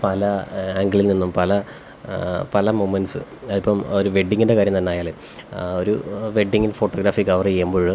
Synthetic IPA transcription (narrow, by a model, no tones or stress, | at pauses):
pɐlɐaŋɡɐɭilninːumpɐlɐ | pɐlɐmumːɐnsɨɐðipːɐmo̞ɾuʋe̞ɖːiŋɡiɳɖe̞kaːɾjɐmnt̪ɐnːeaːjaːl | o̞ɾuʋe̞ɖːiŋɡilfo̞ːʈːoːɡɾaːfiɡɐʋɐrijejumboːɻɨ